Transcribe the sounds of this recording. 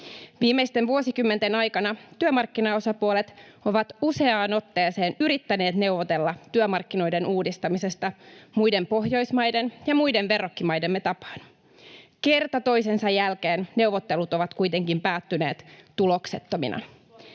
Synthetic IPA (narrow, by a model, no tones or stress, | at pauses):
ʋiːmːejst̪enʋuo̞sikymːe̞nt̪enɑjkɑnɑt̪yømɑrkːinɑo̞sɑpuolet̪o̞ʋɑt̪use̞ɑːno̞t̪ːe̞ːse̞ːnyɾit̪ːæne̞ːt̪ne̞uʋot̪e̞lːɑt̪yømɑrkːino̞jde̞nuːdist̪ɑmise̞st̪ɑmujde̞mpo̞ɦjo̞jsmɑjde̞njɑmujdenʋe̞rokːimɑjde̞mːe̞t̪ɑpɑ̥ːn̥ | ke̞rt̪ɑt̪o̞jsensɑjːælk̟eːnne̞uwʋot̪ːe̞lut̪o̞ʋɑt̪kujt̪e̞ŋkimpæːt̪ːyne̞ːt̪t̪ulo̞kse̞t̪ːo̞mḭnʔɑ̰